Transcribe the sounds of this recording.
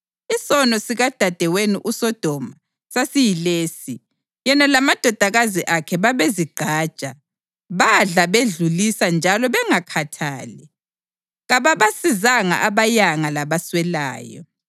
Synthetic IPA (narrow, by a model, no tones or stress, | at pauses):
isɔnɔsiɣad̥ʱad̥ʱɛweniʔusɔd̥ʱɔma | sasijileːsi | jɛnalamad̥ʱɔd̥ʱaɣaziʔakʰɛβaβeziɡ͡ǃ̥ʱḁːt͡ʃʼa | βaɮaβeɮulisand͡ʒʱalɔβɛŋakʰatʰaːlɛ | ɣaβaβasizaŋa̰ʔaβajaŋalaβaswɛla̰ːjɔ̰